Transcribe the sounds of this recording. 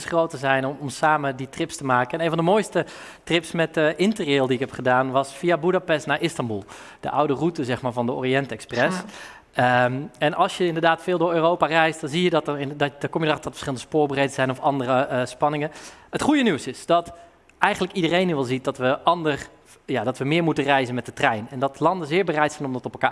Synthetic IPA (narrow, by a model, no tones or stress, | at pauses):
sχrowtəzɛjnɔmsaːməditrɪpstəmaːkənɛnẽːnvɔndəmoːjstə | trɪpsmɛtəʔɪntəreːlˠdiɪkɦɛpχədaːnʋɑsfiabudapɛstnaːʔɪstɑmbulˠ | d̥ə̰ʔawdərutəzɛχmaːɹvɑndəo̰ːriɛntɛksprɛs | ɛnɑlˠsjəɪndəɹdaːtfɪːlˠdʊːɹøːrowparɛjst̚dɑnzijədɑtɪdɔkɔmjədərɑχdɑtfə̥sχɪlˠəndəspʊːɹbərejdəz̥ɛjnɔfɑndərəspɑnɪŋəətχujənywsɪsd̥ɑt | ɛjχənləkidərejnyʋɛlˠzit̚dɑtʋəʔɑndər | jadɑtʋəmɪːɹmutərɛjzənmɛt̚dətrɛjnɛndɑtlɑndəzɪːɹbərɛjtsɛjnɔmdɑtɔpɛlˠkaː